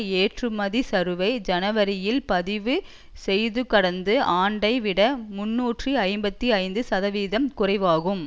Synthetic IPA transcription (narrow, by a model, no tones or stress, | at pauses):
eːʈrɯmɐðisɐɾɯʋɐɪd͡ʒɐnɐʋɐɾɪjɪlpɐðɪʋɯ | sɛjðɯkɐɽɐnd̪ɯaːɳɖɐɪʋɪɽɐmʊnːuːʈriɐɪmbɐt̪ːiɐɪnd̪ɯsɐðɐʋiːðɐmkʊrɐɪʋaːɣɯm